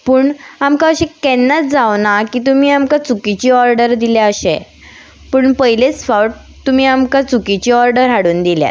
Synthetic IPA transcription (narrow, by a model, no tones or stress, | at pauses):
puːɳamkaəɕekɛnːat͡s̚d͡zaʋnakiːt̪̬um̤iːamkat͡sukit͡ɕiːɔɾɖəɾd̪iljaəɕḛ | pəːɳpəjilet͡sfawʈ | t̪um̤iːamkat͡sukit͡ɕiːɔɾɖəɾɦaɽuːnd̪ilja̰t̪̚